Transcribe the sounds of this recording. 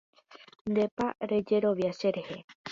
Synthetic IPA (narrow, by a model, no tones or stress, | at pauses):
nd̪e̞pa̰ɾe̞d͡ʒe̞ɾo̞ʋjaʃeɾehe̞